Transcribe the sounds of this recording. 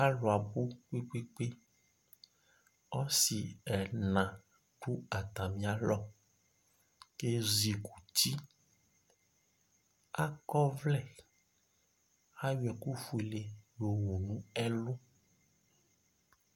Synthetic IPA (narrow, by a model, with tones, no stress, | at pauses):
a˦lʊ˨a˨bu˦k͡pi˦k͡pe˦k͡pe˦ | ɔ˦si˨ɛ˨nã˨ | ɖu˦a˨t̪a˨mĩ˨˦a˨lɔ˦ | ke˦zi˨ku˨ti˦ | a˦kɔ˦vlɛ˦ | a˦jɛ˨ku˦fu˨e˨le˨jo˨wo˨nũ˦ɛ˦lʊ˦